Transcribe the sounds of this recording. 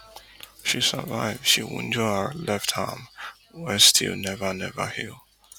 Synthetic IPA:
ʃisə̰vaɪv̥ʃiwṵ̃nd͡ʒəəlɛfthã̰m | wɛstʰḭlˠnɛvənɛvə̰hilˠ

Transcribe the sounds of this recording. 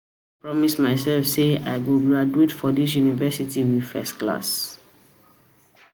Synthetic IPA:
pɹɔmismaɪsɛlfseaɪɡobaduitfɔdis̬junivɛsitiwið̥fɛ̰skla̰s

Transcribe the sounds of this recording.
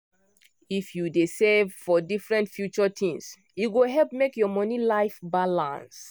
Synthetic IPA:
ifjudesɛvfɔdifɹɛ̃ntfjut͡ʃɔtʰĩŋs | juɡoɦɛlp̚mekjɔmɔ̃nilaɪfbalã̰ns

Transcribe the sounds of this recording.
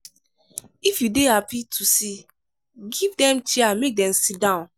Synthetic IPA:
ifjudeɦapitʰusi | ɡivdɛ̃mt͡ʃiamek̚dɛ̃msidãʊ̃n

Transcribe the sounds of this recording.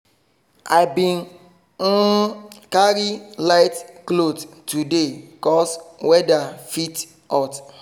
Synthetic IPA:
aɪbĩn | n̩kaɾilaɪtklodtudekɔswɛdafit | ɔt

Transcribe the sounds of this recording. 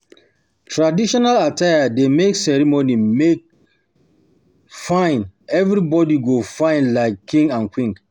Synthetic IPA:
tʰɹadiʃɔnalatʰajademeksɛɹimonimek̚ | fãɪ̃nɛvɾibɔdiɡofãɪ̃ndlaɪkʰːĩŋɡãnkʰwĩŋ

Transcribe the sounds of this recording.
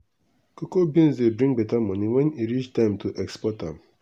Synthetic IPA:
kokobĩnzdebɾĩŋbɛtamɔ̃niwɛ̃niɾit͡ʃtãɪ̃mtuʔɛkspɔtã̰m

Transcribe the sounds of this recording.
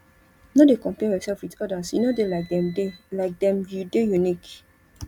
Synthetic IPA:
nodekɔ̃mpɛajɔsɛlfwitɔdasjinodelakɛlaɪk̚dɛ̃mjudejunik

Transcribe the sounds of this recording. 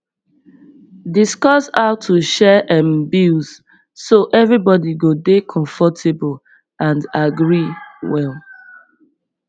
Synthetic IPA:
diskɔsaʊtʰuʃɛʔɛ̃mbuz̥ | soʔɛvɹibɔdiɡodekʰɔ̃ɱfɔtʰebl | ãndaɡɹiwɛl

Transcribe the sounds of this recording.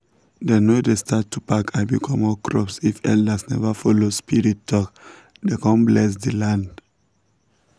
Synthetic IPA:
denodestʰatːupakʰaɪbikʰɔ̃mɔkɹɔpsifɛ̰ldasnɛ̰vafɔlospiɹitːɔk | dekɔ̃nblɛs̬dilãnd

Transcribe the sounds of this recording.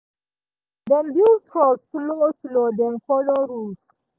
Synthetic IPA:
dɛ̃mbiltʰɹɔssloslodɛ̃mkɔloɹus

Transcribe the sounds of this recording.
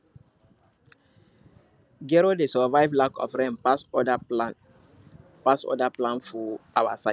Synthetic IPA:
ɡɛɹodesɔvaɪvlakʰɔ̰fɹɛ̃mpasɔdalãn | pasɔ̰daplãnfɔawasaɪ

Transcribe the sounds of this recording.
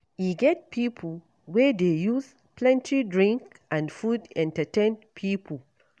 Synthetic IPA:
iɡɛt̚pʰipʰl | wɛdejuz | pʰlɛ̃ntʰidɹĩŋk | ʔãndfudɛ̃ntətẽnpʰipʰəl

